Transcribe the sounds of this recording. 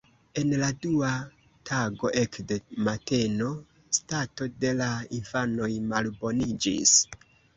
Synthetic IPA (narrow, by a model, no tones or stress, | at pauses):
e̞nladua | tʰaɡo̞ʔe̞kdemate̞no̞ | stato̞de̞lainfano̞jmalbo̞nid͡ʒḭs